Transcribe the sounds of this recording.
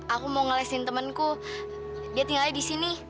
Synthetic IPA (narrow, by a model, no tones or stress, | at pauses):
akumoŋəlɛsint̪əmənku | diat̪iŋalidisini